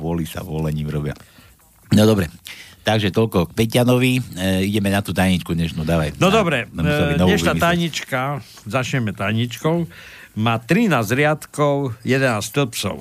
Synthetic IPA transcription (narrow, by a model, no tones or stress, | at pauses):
ʋɔlisa̰ʋɔlɛɲiːmɾɔbɪa̰ | nɔd̪ɔbɾɛt̪aɡʒɛt̪ɔlkɔk̚pɛcanɔʋiiɟɛmɛnat̪uːt̪ajɲit͡ʃkudɲɛʃnuːd̪aːʋajnɔd̪ɔbɾɛainɔɲɛʃnat̪ajɲit͡ʃka | zat͡ʃɲɛmɛt̪ajɲit͡ʃkɔʊ | maːt̪ɾinaːzzɾɪat̪kɔʊjɛd̪ɛnaːst̪lpt͡sɔ̰ʊ